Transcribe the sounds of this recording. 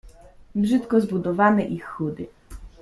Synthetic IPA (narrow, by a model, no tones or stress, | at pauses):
bʐɘt̪kɔzbud̪ɔvanɛʔixːud̪ɘ